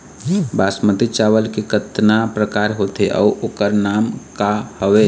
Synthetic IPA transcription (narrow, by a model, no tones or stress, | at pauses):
basmət̪it͡ʃaʋəlkikət̪napɾəkaɾɦot̪ʰeʔɔ̰uokəɾnamkahəʋe